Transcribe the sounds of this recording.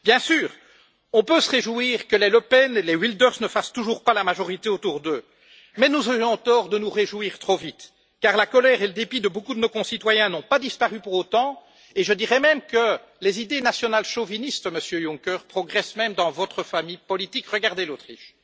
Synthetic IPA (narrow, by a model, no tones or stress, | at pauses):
bjɛ̃syːʁ | ɔ̃pøsəʁeʒuiːʁkəleləpɛnelewild̪œʁsnəfast̪uʒuʁpalamaʒɔʁit̪eot̪uʁd̪ø | mɛnuzɔʁjɔ̃t̪ɔʁd̪ənuʁeʒuwiːʁt̪χovit̪ | kaʁlakɔlɛːʁeləd̪epid̪əbokud̪ənokɔ̃sit̪wajɛ̃nɔ̃pad̪ispaʁypuʁot̪ɑ̃ | eʒəd̪iʁɛmɛmkə | lezid̪enasjɔnalʃovinist̪məsjøjũŋkʲœʁpχɔɡʁɛsmɛmd̪ɑ̃vɔt̪χəfamijpɔlit̪ikʁəɡaʁd̪elot̪χiʃ